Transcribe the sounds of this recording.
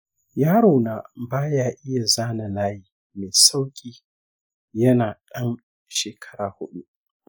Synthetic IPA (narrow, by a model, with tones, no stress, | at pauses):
jaː˦ɽo˨naː˨baː˦jaː˦ʔɪ˦ja˨zaː˦na˨laː˦jiː˨ | meː˨sa˦wkʲʼiː˨ | jɐ˦naː˨ɗɐ˦n | ʃeː˨kʰɐ̥˦ɾaː˨hʊ˦ɗu˦